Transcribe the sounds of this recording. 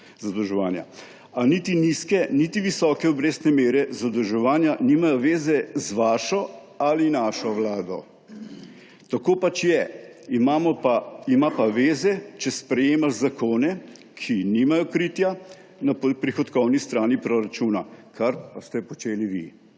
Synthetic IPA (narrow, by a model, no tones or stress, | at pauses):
zad̪əwʒɛʋaːnja̰ | anit̪iniskɛnit̪iʋisɔkɛɔbɾeːst̪nɛmeːɾɛzad̪ɔwʒɛʋaːnjanimajɔʋeːzɛzʋaːʃɔ | alinaʃɔʋlaːd̪ɔ̰ | t̪akoːpat͡ʃjɛmaɔaimapaʋeːzɛt͡ʃɛspɾɛjeːmaʒzakʰoːnɛ | kʰinimajɔkɾiːt̪ja | nappɾixɔt̪kɔwnist̪ɾaːnipɾoɾat͡ʃuːnakʰaɾpast̪ɛpɔt͡ʃeːliʋḭ